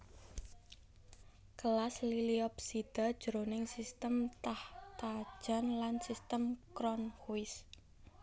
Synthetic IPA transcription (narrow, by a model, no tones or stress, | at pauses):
kəlasliliɔp̚sid̪̥a̤d̥ʒ̥ɾonɪŋsist̪əmt̪aht̪ḁʒ̥a̤nlansist̪əmkɾɔnkuwɪs